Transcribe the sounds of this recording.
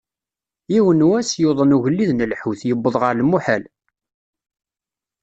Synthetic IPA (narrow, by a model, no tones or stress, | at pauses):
iwənwæsjoðˤənuʝəlːiðnəlħuθjəbːəðˤʁəɾlmuħæl